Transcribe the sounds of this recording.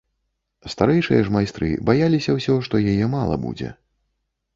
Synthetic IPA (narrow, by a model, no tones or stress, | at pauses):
st̪aɾɛjʂɨjɐʐmajst̪ɾɨ̰bajalʲisʲɐwsʲɔʂt̪ɔjajɛmalˠɐ̰bṵd͡zʲɛ̰